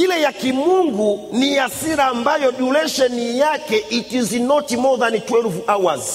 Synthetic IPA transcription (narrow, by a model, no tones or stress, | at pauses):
ilɛjakimuŋɡuniasiɾaːmbajɔɗulɛʃɛnijakɛʔituzinɔtimɔðanitwɛɾuvuʔawazi